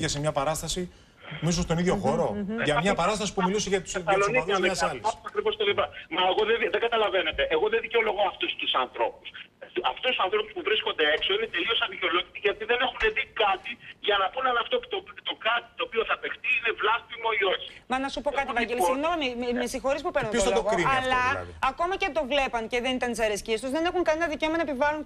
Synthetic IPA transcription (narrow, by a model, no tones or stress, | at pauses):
ʝesemɲɐpɐɾɐst̪ɐsi | misost̪o̞niðʝo̞xo̞ɾo̞ʝɐmɲɐpɐɾɐst̪ɐsi̥pumiluseʝɐt̪u̥slonɐɾuɐɐsɐlisɐkɾivo̞st̪olibɐmɐeɣoðeðeɡɐt̪ɐlɐve̞ne̞t̪e̞ʔeɣo̞ðeðiceolo̞ɣoɐft̪ust̪usɐnθɾo̞pus | ɐ̰ft̪ust̪usɐ̃nθɾo̞puspuvɾisko̞nd̪e̞ekso̞inet̪e̞lio̞sɐnðico̞locit̪iʝɐt̪iðe̞ne̞xuneðikɐt̪iʝɐnɐpunɐnɐft̪o̞pu̥t̪opit̪t̪o̞kɐt̪i̥t̪o̞ːpioθɐpext̪iine̞vlɐstimo̞io̞çi̥mɐnɐsupo̞kɐt̪ievɐɟelisoɾnommesixo̞ɾispupe̞ɾnuntoɐloɣoiɐlɐɐko̞mɐcet̪o̞vle̞pɐŋce̞ðenit̪ɐnt̪isɐɾesciest̪uzðe̞nexuŋkɐnenɐðiceomɐnɐepivɐlun